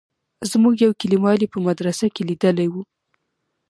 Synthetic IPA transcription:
zmuɡjawkɪlimɑlipəmad̪ɾasakelid̪əlajwu

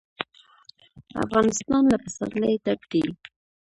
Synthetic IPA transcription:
a̰fɣɑnɪst̪ɑnlapasa̰nd̪ləjt̪ab̚d̪il

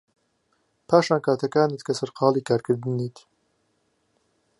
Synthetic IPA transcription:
pʰaːʃaːnkʰaːt̪ʰɐkaːnit̪kʰɐsɐɾqɑːliːkʰaːɾkʰɨɾd̪ɨniːt̪

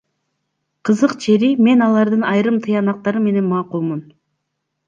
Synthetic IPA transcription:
qʰəzəqt͡ʃʰe̞ɾime̞nɑlˠɑɾd̪ənɑjɾɯmt̪ʰɨjɑnɑq̚t̪ɑɾəmːe̞ne̞nmɑːqulˠmun

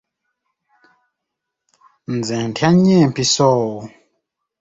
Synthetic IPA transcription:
n̩d͡zɛ̃ntʰaɲɛ̃mpisɔwu

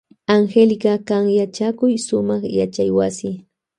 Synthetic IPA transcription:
aŋxelɢakaŋjat͡ʃakʊjsʊmɑχja̰t͡ʃajwasɪ

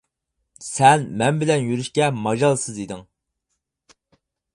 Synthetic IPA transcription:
sɛnmɛnbɪlɛnjyɾyʃkʲɛmɑʒɑlˠsɨzid̪ɪŋ

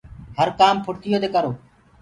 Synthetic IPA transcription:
ɦəɾkaːmpʰʊʈt̪ʰɪjoːt̪eːkəɾoː

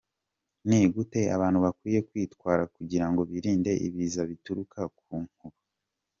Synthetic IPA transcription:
niːɡute̞a̰βaːnhuβakwiːje̞kwiːtkwaːɾakuɟiɾaŋɡo̞βiɾiːnde̞ʔḭβiːzaβituɾukʰakuːŋhuɾu

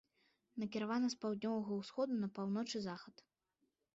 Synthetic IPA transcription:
nɐkʲiɾavanɐspawd̪̚ʲnʲɔvɐɣɐwsxɔd̪unɐpawnɔt͡ʂɨzaxɐt̪

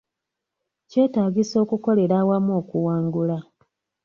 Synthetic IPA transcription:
ce̞ːtaːɟiso̞ːkuko̞le̞ɾaːwamo̞ːkuwaːŋɡula

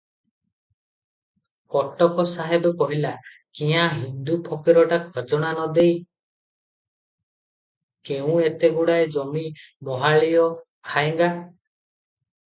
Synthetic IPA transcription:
kɔʈɔkɔsaɦebɔkɔɦilakĩɦãɦind̪upʰɔkiɾɔʈakʰɔd͡ʒɔɽ̃anɔd̪ej | keũet̪eɡuɽaed͡ʒɔmi | bɔɦaɭijɔ | kʰaeŋɡa

